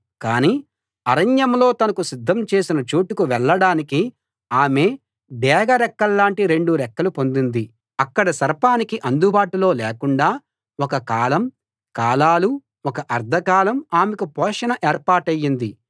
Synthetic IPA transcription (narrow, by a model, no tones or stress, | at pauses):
kaːniː | ɐɾɐɲjɐmlo̞ːt̪ɐnɐkusid̪ʱːɐmt͡ʃe̞ːsinɐt͡ʃuːʈukuʋɛɭːɐɽaːniki | aːme̞ː | ɖ̪ɛːɡɐɾɛkːɐɭːaːɳʈiɾe̞ɳɖuɾɛkːɐlupo̞nd̪und̪i | ɐkːɐɽɐsɐɾpaːnikiʔɐnd̪ubaːʈulo̞ːleːkuɳɖaː | wɔkɐkaːlɐm | kaːlaːlu | ɔkɐʔɐɾd̪ʱɐkaːlɐmaːmekupɔːʂɐnɐʔeːɾpaːɾʈɐjːind̪i